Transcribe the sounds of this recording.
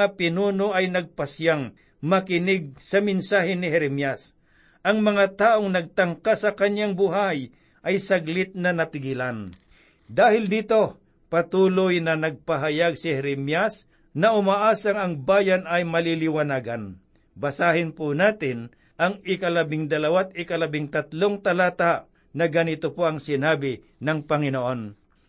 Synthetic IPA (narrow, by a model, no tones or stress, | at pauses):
apɪnuːnoʔɐjnɐɡ̚pɐsjaŋ | mɐkɪnɪɡ̚sɐmɪnsaːhɪnɪhɛɾɛmjas | ʔɐŋmɐŋat̪aːʔoŋnɐɡ̚t̪ɐŋkasɐkɐɲjaŋbʊɦaj | ʔɐjsɐɡlɪt̪̚nɐnɐt̪ɪɡɪlan | d̪aːhɪld̪iːt̪o̞ | pɐt̪uːlojnɐnɐɡ̚pɐɦɐjaɡsɪhɛɾɛmjas | nɐʔʊmaʔaːsɐŋɐŋbaːjanɐjmɐlilɪwɐnaːɡɐn | bɐsaːhɪnpʊnaːt̪ɪn | ʔɐŋɪkɐlɐbɪŋd̪ɐlɐwat̪̚ɪkɐlɐbɪŋt̪ɐt̪loŋt̪ɐlaːt̪aʔ | nɐɡɐnɪt̪opoɐŋsɪnaːbɪ | nɐŋpɐŋɪnoʔo̞n